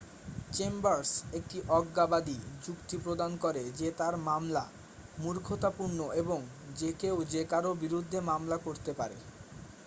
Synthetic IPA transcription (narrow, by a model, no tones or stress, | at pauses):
t͡ɕembaɾsek̚ʈiʔɔɡːabad̪id͡ʑukt̪ipɾod̪ankɔɾed͡ʑet̪aɾmamla̰ | muɾkʰot̪apuɾnoeboŋ | d͡ʑekeod͡ʑekaɾobiɾud̪ʱːemamlakoɾt̪epaɾḛ